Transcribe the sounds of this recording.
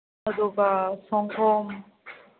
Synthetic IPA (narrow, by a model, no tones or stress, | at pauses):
ad̪obasɔŋkʰɔm